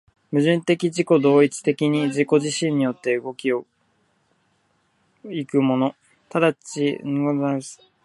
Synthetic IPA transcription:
mɯ̟ʑɨ̃nt̪e̞kʲiʑiko̞d̪o̞ːit͡sɨ̥t̪e̞kʲiɲ̟iʑiko̞ʑiɕĩɲ̟ːijo̞t̪ːe̞ɯ̟ɡo̞kʲio̞ | ikɯ̟mo̞no̞ | t̪ad̪at͡ɕiɡasɨ̥

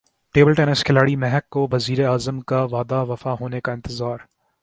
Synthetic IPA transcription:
ʈeːbəlʈɛːnəskʰɪlaːɽimɛɦɛkːoʋɐziːɾeaːzəmkaʋaːd̪aʋɐfaɦoːnekaɪ̃nt̪ɪzaːɾ

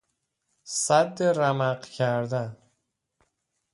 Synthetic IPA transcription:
sæd̪ːeɾæmæɢcʰæɾd̪æn

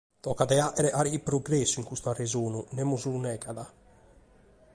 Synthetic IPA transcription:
t̪ɔkad̪ɛaʔɛɾɛʔaɾiipɾoɡɾɛsːuiŋkust̪uarːɛzoːnunɛmːuzulunɛkaða

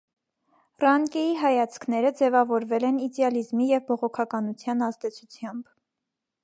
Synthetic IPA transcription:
rɑŋkɛjiɦɑjɑt͡sʰkʰnɛɾəd͡zɛvɑvɔɾvɛlɛnid̪ɛɑlizmijɛvbɔʁɔkʰɑkɑnut͡sʰjɑnɑzd̪ɛt͡sʰut͡sʰjɑmb

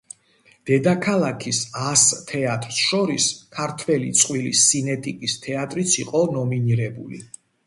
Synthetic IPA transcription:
d̪̥ɛd̪akʰalˠakʰisast̪ʰɛat̪ʼɾsʃɔɾiskʰaɾt̪ʰwɛlḭt̪sʼqʼwilḭsinɛt̪ʼikʼist̪ʰɛat̪ʼɾit̪sʰiqʼɔnɔminiɾɛbṵlḭ

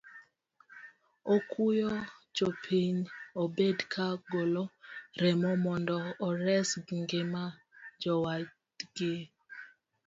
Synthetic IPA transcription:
okujod͡ʒopʰiɲobedkʰaɡoloɾɛmɔmɔndɔːɾɛsɡŋɡɪma | d͡ʒɔwa | ɡɪ

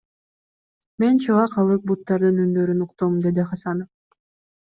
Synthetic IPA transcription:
me̞nt͡ʃʰɑvɑqʰɑlˠɯk̚but̪ːɑɾd̪ɯnynd̪ø̞ɾynuqt̪omd̪e̞d̪iχɑsɑnof

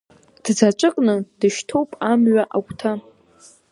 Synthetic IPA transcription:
d̥d͡zat͡ʃʷʼɨkʼnɨdɨʃtʰo̞wpʼamɥaʔakʷʼtʰa

